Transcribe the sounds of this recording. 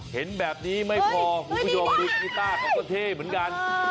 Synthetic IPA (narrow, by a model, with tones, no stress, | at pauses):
he˩˦nbɛː˨˩p̚niː˦˥ma˥˩jpʰɔː˧kʰɔ˧˩˨u˥˩t͡ɕʰo˧mdi˧k̚siː˧˩t̪aː˥˩kʰaː˧˩kːɔ˧˩t̪ʰeː˥˩mɯ˩˦ənka˧n